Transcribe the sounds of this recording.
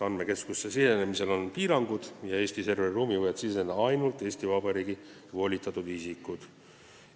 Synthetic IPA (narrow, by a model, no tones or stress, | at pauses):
ɑnme̞ke̞skusːesisenemise̞lonpiːɾɑŋɡ̥ud̪̥jɑe̞ːsʲt̪ise̞rveruːmivojɑt̪sise̞nːɑɑjnult̪ˑːe̞ːsʲt̪ivɑbɑɾiːɡi | vo̞ːlʲit̪ːˑɑt̪ːud̪isikːud̪̥